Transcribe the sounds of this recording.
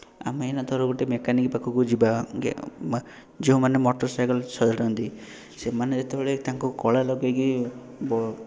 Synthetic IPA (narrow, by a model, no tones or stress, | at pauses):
a̰menad̪ʱɔɾɔɡuʈemekanikpakʰukud͡ʒibaɡ̰ | d͡ʒeɦũmanemɔʈɔɾsajkɔlsɔd͡ʒ̪ʱaʈɔnt̪i | semaned͡ʒet̪ebʱeɭet̪aŋkukɔɭalɔɡeɡi | bɔ